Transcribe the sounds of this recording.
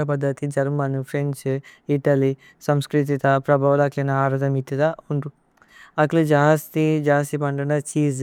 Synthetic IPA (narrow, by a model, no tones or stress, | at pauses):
ɐpɐd̪ʱːɐt̪id͡ʒɐɾmɐnupʰɾent͡ʃiʈɐli | sɐmskɾit̪̬it̪ɐpɾɐbʱɐʋɐlɐklinɐaːɾɐd̪ɐmit̪it̪ɐuɳʈu | ɐklid͡ʒaːst̪id͡ʒaːst̪ipɐɳɖɐnɐt͡ʃiːz